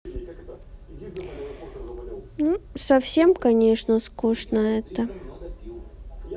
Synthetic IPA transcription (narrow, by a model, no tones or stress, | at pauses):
nusɐfsʲemkɐnʲe̞ʂnəskuʂnəɛt̪ə